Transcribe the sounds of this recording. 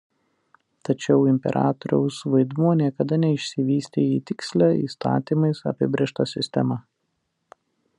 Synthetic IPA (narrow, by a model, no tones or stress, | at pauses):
t̪ɐt͡ʃʲɛʊɪmʲpʲɛ̰ɾʔɑ̰ːt̪ɔɾʲɛ̰ʊsʋɐɪd̪muɔnʲiɛkɐd̪ɐnʲɛɪʃʲsʲɪʋʲiːsʲt̪ʲeːjiːt̪ʲɪksʲlʲæḭːst̪ɑ̰ːt̪ʲiːmɐɪsɐ̰pʲɪbʲɾʲeːʃt̪ɐsʲɪsʲt̪ʲɛmɑ